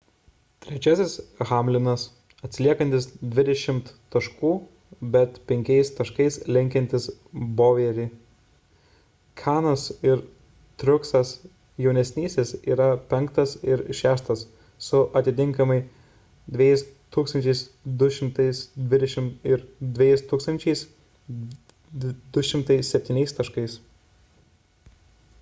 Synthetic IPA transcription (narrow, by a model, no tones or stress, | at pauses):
t̪ʲɾʲɛt͡ʃʲæːsʲɪsɣɑːmʲlʲɪnɐs | ɐt̪ʲsʲlʲiɛkɐnt̪ʲɪsd̪ʲʋʲɪd̪ʲɛʃʲɪmt̪t̪ɐʃkuː | bʲɛt̪pʲɛŋʲkʲɛɪst̪ɐʃkɐɪslʲɪŋʲkʲɛnʲt̪ʲɪsboːʋʲiɛɾʲiː | kʲʰæːnosɪɾ | t̪ʲɾʲʊksɐs | jɛʊnʲɛsʲnʲiːsʲeːsiːɾɐpʲɛŋkt̪ɐsɪɾʃʲæːʃt̪ɐsː | ʊʔɐt̪ʲɪt̪ʲɪŋˑkɐmɐɪ | d̪ʲʋʲejɪst̪uːksɐnʲt͡ʃʲɛɪsd̪ʊʃʲɪmt̪ɐɪsd̪ʲʋʲɪd̪ʲɛʃʲɪmɪɾd̪ʲʋʲɛjɛɪst̪uːkst̪ɐnʲt͡ʃʲɛɪs | d̪ʊʃʲɪmt̪ɐɪssʲɛpʲt̪ʲiːnʲɛɪst̪ɐʃkɐɪs